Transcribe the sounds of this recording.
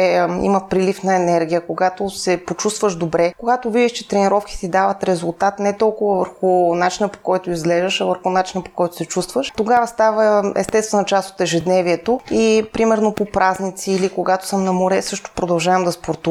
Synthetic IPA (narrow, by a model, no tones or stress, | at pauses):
ḭmɐpɾilifnɐɛnɛɾɡʲijəkoɡat̪osɛpot͡ʃust̪vəʒd̪obɾɛkoɡat̪ovid̪iʃt͡ʃɛ̥t̪ɾɛniɾɔfki̥t̪id̪avət̪ɾɛzulˠt̪at̪nɛt̪ɔlˠkʊvəvəɾxʊnat͡ʃinəpo̥kɔjt̪oizɡlɛʒəʃɐvəɾxʊnat͡ʃinəpo̥kɔjt̪o̥sɛt͡ʃust̪vəʃt̪oɡavəst̪avəɛ̰st̪ɛst̪vɛnɐt͡ʃast̪o̥t̪ɛʒɛd̪nɛviɛt̪oipɾimɛɾnopopɾaznit̪siːlikoɡat̪o̥sɤmnɐmoɾɛsɤʃt̪o̥pɾod̪ɐlˠʒavɐmd̪ɐspoɾt̪u